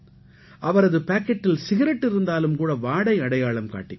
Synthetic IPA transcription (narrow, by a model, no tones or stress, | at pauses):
ʔɐʋɐɾɐðɯpaːkːɛʈːɪlsɪɣɪɾɐʈːɪɾɯnd̪aːlɯmkuːɽɐʋaːɽɐɪɐɽɐjaːɭɐmka̰ːʈːɪ